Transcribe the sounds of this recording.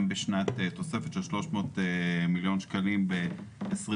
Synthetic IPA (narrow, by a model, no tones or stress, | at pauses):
mbeʃnat̪et̪o̞se̞fet̪ʃelʃlo̞ʃmo̞ːt̪emiljo̞nʃkalimbeːs